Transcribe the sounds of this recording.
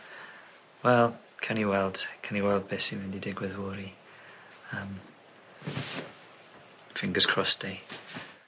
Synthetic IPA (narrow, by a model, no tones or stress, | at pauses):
wɛlˠ | kʰaniwɛlˠd̥kʰaniwɛlˠd̚besimɪndidɪɡwɪðwʊːɾi | əm | d̥ʰɹ̥ɪŋɡəskʰr̥ɔsd̥ej